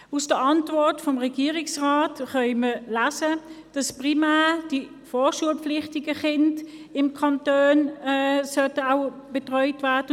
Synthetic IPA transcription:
usd̥əɑntvɔɐtfɔmʁɛɡ̥iːʁɪksʁaːtχœʏməlaːsəd̥ɑspʁimæːd̥i | foːʃuːəlpp͡flɪχtɪɡəχɪnd | ɪmkʰɑntøːnɛsœtəaʊ | b̥etʁœʏtvæɐd̥ə

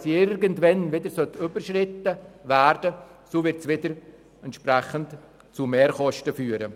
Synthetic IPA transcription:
sɪɾɡəntvɛnvɪdəɾsœtʏbərʃrɪtːəʋæɾdəsoːʋɪɾtsʋɪdəɾ | ɛntʃprɛxənt | t͡sumeːɾkɔʃtəfyːɾə

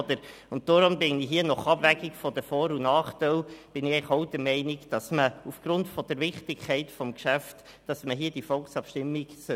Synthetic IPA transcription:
dəɾʊntd̥oɾʊmbɪŋniɦiːənɔχɑbvɛɡɪkfɔd̥əfɔːɾunɑːχtœlb̥ɪnɪɛɪχoʊdəmɛɪnɪɡd̥ɑsməufɡ̥ɾʊntfɔd̥əɾvɪχtɪkʰːɛɪtfɔmkʃæft | d̥ɑsməɦiəd̥ifɔlksɑpʃtɪmːiksœ

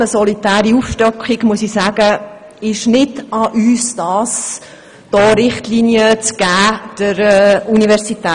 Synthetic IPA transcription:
əsɔlitæːɾiufʃtɔkχiɡ̥muəsisæːɡə | ɪʃnɪdɑʔyːsd̥ɑːs | d̥ɔːɾɪχtlinjət͡sɡ̥æːd̥əɾunivɛɾsitɛː

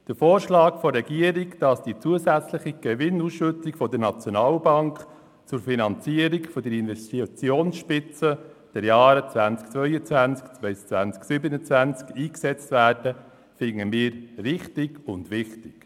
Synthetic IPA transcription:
d̥əɾfoːɾʃlɑːkfɔrːɛɡ̥iəɾikd̥ɑsd̥it͡suəsæt͡slɪχiɡ̥ɛʋɪnusʃʏt͡sɪkfɔdənɑt͡sjɔnɑːlbɑŋk | t͡sʊɾfinɑnt͡siəɾikfɔd̥əɾɪnʋɛstit͡sjoːnsʃpɪt͡sə | d̥ɛɾjɑːɾət͡svænt͡sk̚t͡sʋœʏət͡sʋænt͡skt͡sʋœt͡sʋænt͡sksɪbənət͡sʋænt͡skiːksɛt͡stvæːrdə | fɪŋəmiːɾrɪχtɪɡʊndʋɪχtɪk

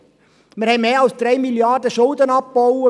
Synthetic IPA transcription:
miɪɾhɛɪmeːɾɑlsd̥ɾɛɪmiljɑːrdəʃʊldənɑpːb̥ɔʊə

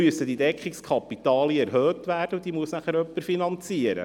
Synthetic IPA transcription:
myəsəd̥idɛkχikskʰɑpːitɑːliɛɾɦøːtʋæːrd̥əd̥̪iːmuəsnæχəɾœpːəɾfinɑnt͡siəɾə̰

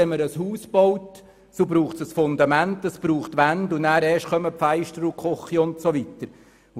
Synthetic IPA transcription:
ɛməɾəshuːsb̥ɔwt | sobɾuːχtsəsfʊnd̪ɑmæntəsb̥ɾuːχtʋændunæːɾɛːʃχœməpfæɪʃtəɾukʰɔχiʊntsoʋitəɾ

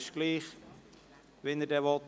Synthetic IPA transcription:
ʃɡ̥liːχ | ʋɪnədɛʋɔt̪

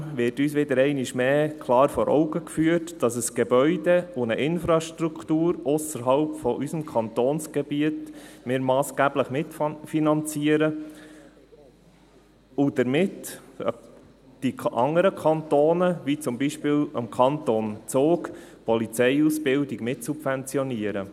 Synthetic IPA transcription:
ʋɪtyːsʋɪd̪əɾɛɪnɪʃmeːkʰlɑːɾfɔɾʔɔ̰ʊɡəkfyːəɾtd̥ɑsəsɡ̥ɛbœʏdɛʊnəʔɪnfɾɑʃtɾukʰtuːɾʊsəɾɦɑlpfɔʔysəmkʰɑnt̪oːnsɡ̥ɛbiətmɪːɾmɑːsɡ̥æbləχmɪtfinɑnt͡siəɾə | ʊd̥əɾmɪt | d̥iʔɑŋəɾəkʰɑntoːnəʋit͡sʊmbiʃpɪːlɑ̰mkʰɑntont͡soːkpɔlit͡sɛɪusbɪldɪɡmɪtsub̥vɛnt͡sjɔniəɾə

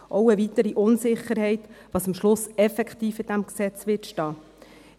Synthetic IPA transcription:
ʔɔʊəʋit̪əɾiʔʊnsɪχəɾhɛɪt̪ʋɑːsəmʃlʊsɛfɛkχt̪iːfəd̥æmksɛt͡sʋɪtʃtɑː

